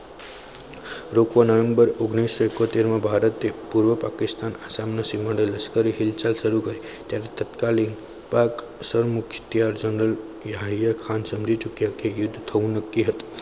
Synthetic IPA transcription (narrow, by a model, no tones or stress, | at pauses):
ɾokʋanəʋẽmbəɾoɡnisːoekot̪eɾmãbʱaɾət̪epuɾʋəpakɪst̪anasamnəsiməɽeləskəɾiɦilt͡ʃalʃəɾukəɾi | t̪jaɾet̪ət̪kalin | pak | səɾmʊkʃt̪ijaɾd͡ʒəɳɾəl | jaɦɦijakʰansəmd͡ʒit͡ʃʊkjakejʊd̪ʱːt̪ʰəʋũnəkːiɦət̪i̥